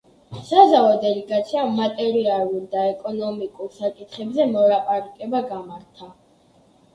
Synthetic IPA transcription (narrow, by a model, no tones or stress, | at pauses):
sazaɔd̪ɛlɛɡat̪sʰiamːat̪ʼɛɾialˠuɾd̪aɛkʼɔnɔmikʼuɾsakʼit̪ʰχɛbzɛmɔlapʼaɾakʼɛbaɡamaɾt̪ʰa